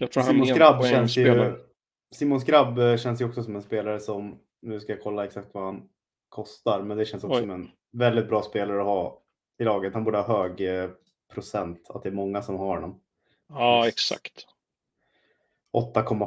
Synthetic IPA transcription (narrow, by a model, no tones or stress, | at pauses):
jt̪ʰɾiːmmʊnsɡɾabːʃɛnsj | siːmʊnsɡɾabːɕɛns̬jəɔksɔsɔmɛnspeːlaɾəsɔm | nʉ̟ːskajakʰɔlːaɛksak̚t̪vahan | kʰɔst̪aɾmɛnd̪ɛɕɛnsɔksɔsɔmɛn | vɛld̪ɪt̪̚bɾɑːspeːlaɾəɔhɑː | ɪlɑːɡət̪hanbuːɖəhɑːɦøːɡ | pʰɾʊsɛnt̪a̰t̪̚d̪ɛːmɔŋːasɔmɦaɾɔnɔm | ɑɛksa̰kt̪ | ʔɔt̪ːakʰɔmːa